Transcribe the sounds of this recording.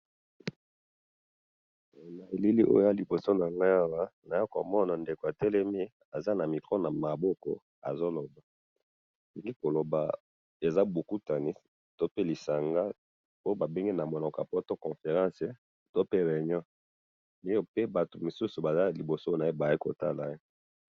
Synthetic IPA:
na˨e˨li˦li˦ʔo̰˦ja˦li˨bo˨so˦na˨ŋɡa˦ja˦wa˦na˨ja˦ka̰˨mɔ˦na˨nde˨ko˨a˨tɛ˦lɛ˦mi˦ | a˨za˦na˨mi˨kʁo˦na˨ma˨bɔ˦kɔ̰˦ | a̰˨zo˦lo˨ba˨ | i˨ŋɡi˦ko˨lo˨ba̰˨ | e˨za˦bo˨ku˦ta˨ni˦ | to˦pe˦li˨sa˨ŋɡa˦ | o˦o˦ba˨be˦ŋɡi˦na˨mo˨nɔ˨ka̰˨pɔ˦to˦kɔ̃˨fe˨ʁã˦se˨ | to˦pe˦ʁɛ˨ɲɔ̃˦ | i˦o˦pe˦ba˨to˨mu˨su˦su˨ba˨za˦li˨bo˨so˦na˨e˦ba˨e˦ko˨ta̰˦la˨e˦

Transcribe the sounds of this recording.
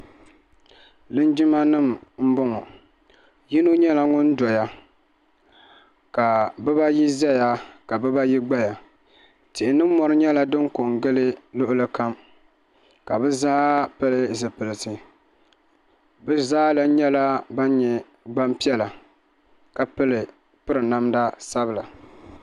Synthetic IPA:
lɨ˦nd͡ʒɪ˦ma˦nɨ˦˨m˨m̩˦bɔ˦ŋɔ˨ | ji˦nu˦ɲɛ˦la˨ŋʊ˦n̩˦dɔ˨ja˨ | ka˨bɨ˦ba˦ji˦zɛ˦ja˨ka˨bɨ˦ba˦ji˦ɡ͡ba˦ja˨ | tɪ˨ʔɪ˨nɨ˦m̩ː˦ɔ˦ɾɨ˦ɲɛ˦la˨dɨ˦ŋko˨ŋɡɨ˦lɨ˦lʊ˦ʔʊ˦lɨ˦ka˦m | ka˨bɨ˦zaː˦pɨ˦lɨ˦zɨ˨pɨ˨lɨ˨sɨ˨ | bɨ˦zaː˦la˨ɲɛ˦la˦ba˦n˦ɲɛ˨ | ɡ͡ba˦mpi˦ɛ˦la˨ | ka˨pɨ˦lɨ˨ | pɨ˦ɾɨ˨na˦mda˦sa˦bɨ˨la˨

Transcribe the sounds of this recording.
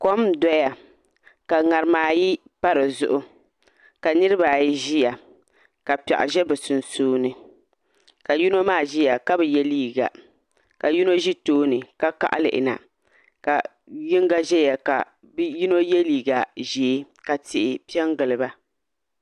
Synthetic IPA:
ko˦mdɔ˦ja˨ | ka˨ŋa˨ɾɨ˨maː˨ji˦pa˦ɾɨ˨zʊ̰˦ʔʊ˦ | ka˨nɨ˦ɾɨ˦baː˨ji˦ʒi˦ja˨ | ka˨pɛ̰˨ʔʊ̰˨ʒɛ˦bɛ˨sʊ˨nsuː˦nɨ˨ | ka˨ju˦no˦maː˦˨ʒi˦ja˨ka˦bɛ˨jɛ˦liː˦ɡa̰˨ | ka˨ji˦no˦ʒi˦toː˦nɨ˨ka˦ka̰˨ʔa̰˦lɨ̰˨ʔɪ̰˨na̰˨ | ka˨ | jɪ˦ŋɡa˦ʒɛ˦ja˨ka̰˨ | bji˦no˦jɛ˦liː˨ɡa˨ʒi˨˦ | ka˨tɪ˨ʔɪ˨pi˦ɛ˦ŋɡɨ˨lɨ˨ba˦

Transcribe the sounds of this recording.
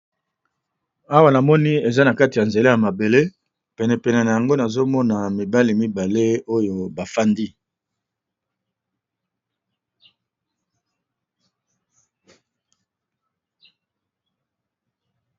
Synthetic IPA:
a˦wa˨na˨mɔ˦ni˦e˨za˦na˨ka˦ti˨ja˨nze˨le˦ja˨ma˨be˨le˦ | pɛ˨nɛ˨pɛ˨nɛ˨na˨ja˨ŋɡo˦na˨zo˦mɔ˦na˨mi˨ba˦li˨mi˦ba˨le˦o˦jo˨ba˨fa˦ndi˦

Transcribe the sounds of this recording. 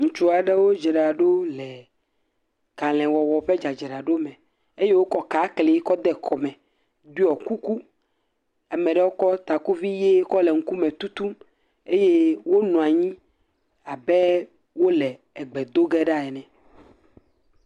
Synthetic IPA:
ŋũ˨t͡ʃu˦a˨ɖe˦wo˦d͡ʒe˨ɖa˨ɖo˦lɛ˨ | ka˨l̃ɛ̃˨wɔ˨wɔ˨ɸe˦d͡ʒa˨d͡ʒe˨ɖa˨ɖo˦mɛ̃˨ | e˦je˦wo˦kɔ˦ka˨˦kle˨˦kɔ˦d̪ɛ˦kʰɔ˨mɛ̃˨ | d̪u˦ɔ˨ku˦ku˦ | a˨mɛ̃˨ɖɛ˦wo˦kɔ˦t̪a˨ku˦vi˦je˦kɔ˦lɛ˨ŋ̩˦ku˦mɛ̃˨t̪u˦t̪u˦m | e˦je˦wo˦nũ˨a˨ɲĩ˦ | a˨bɛ˦ | wo˦lɛ˨ | ɛ˨ɡ͡bɛ˨d̪o˦ɡɛ˦ɖa˦ɛ˨nɛ̃˨

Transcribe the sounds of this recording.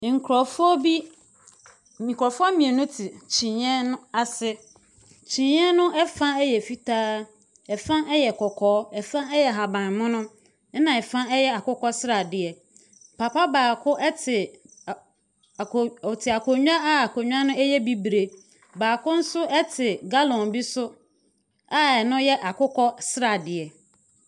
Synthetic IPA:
ŋ̩˨kʰɾɔ˨fɔ˦bi˦ | mĩ˨kʰɔ˨fʊ˦ɔ˦mĩ˨e˨nʊ̃˦tʰɪ˨t͡ɕʰĩ˨ɛ̃˦nʊ̃˦a˨sɪ˦ | t͡ɕʰĩ˨ɲ˦ɛ̃˦nʊ̃˦ʔɛ˦fã˦ɛ˦jɛ˨fi˦tʰaː˦ | ɛ˨fã˦ʔɛ˦jɛ˨kʰɔ˨kʰɔː˦ɛ˨fã˦ɛ˦jɛ˨ɦa˨bã˨nmʊ̃˦nʊ̃˦ | nã˨ɛ˨fã˦ɛ˦jɛ˦a˨kʊ˦kʰɔ˦sɪ˦ɾa˨dɪ˨ɛ˨ | pʰa˨pa˦baː˨kʰʊ˦ʔɛ˦tʰɪ˨ | tʰɪ˨a˨kʰo˨ɲᶣu˦a˦a˦a˨kʰo˨ɲᶣu˦a˦nʊ̃˦ɛ˦jɛ˦bi˦bɾe˨ | baː˨kʰʊ̃˦n̩˦sʊ˦ʔɛ˦tʰɪ˨ɡa˦lɔ̃˨nbi˦sʊ˦ | a˦ɛ˨nʊ̃˦jɛ˦ʔa˨kʊ˦kʰɔ˦sɾa˨dɪ˨ɛ˨

